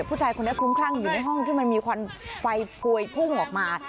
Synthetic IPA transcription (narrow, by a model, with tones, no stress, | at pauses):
pʰːuː˥˩aː˧jko˧ni˦˥˩kʰu˦˥mkʰaː˥˩ŋjuː˨˩na˧jɦɔ˥˩ŋt̪ʰiː˥˩m˧nmiː˧kʰwaː˧mfa˧jpʰu˧əjpʰu˥˩ŋʔɔː˨˩k̚maː˧